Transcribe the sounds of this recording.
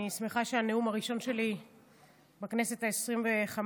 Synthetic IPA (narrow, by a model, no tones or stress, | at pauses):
ismiχaʃeaneumaʁiʃo̞nʃe̞li | bakne̞se̞taesʁimve̞χam